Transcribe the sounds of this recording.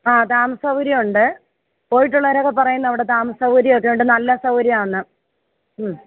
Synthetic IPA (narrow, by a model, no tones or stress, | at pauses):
aːt̪aːmɐsɐwɾiuɳɖɨ | po̞ːjiʈːuɭːɐʋɐɾokːepːɐrɐjunːɐʋiɽe̞t̪aːmɐsɐwɾijokːe̞juɳɖɨnɐlːɐsɐwɾijaːɳɨ | m